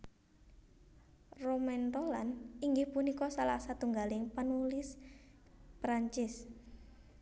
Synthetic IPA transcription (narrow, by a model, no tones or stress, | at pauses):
romɛnt̪olaniŋɡɪhpunikɔsalahsat̪uŋɡalɪŋpanulɪs | pɾaɲt͡ʃɪs